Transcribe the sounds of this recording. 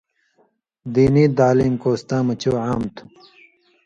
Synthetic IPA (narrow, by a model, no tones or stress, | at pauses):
d̪iːniːd̪aːliːmkoːst̪ãːmɐt͡ɕoːʕaːmt̪u̥